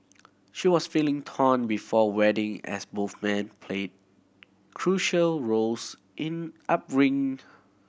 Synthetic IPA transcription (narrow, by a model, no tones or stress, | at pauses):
ʃiwɔsfilɪ̃ŋtʰɔ̃nbifɔwɛdɪ̃ŋɛ̰sboθmɛ̃npʰled̚ | kʰɹuʃəlɹols | ʔɪ̃nʔap̚ɹɪ̃ŋ